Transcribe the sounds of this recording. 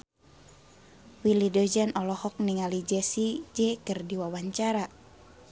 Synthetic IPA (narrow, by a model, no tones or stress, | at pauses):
wilidɔd͡ʒanʔɔlɔhɔk̚niŋalid͡ʒɛsid͡ʒɛkərdiwawaɲt͡ʃaɾa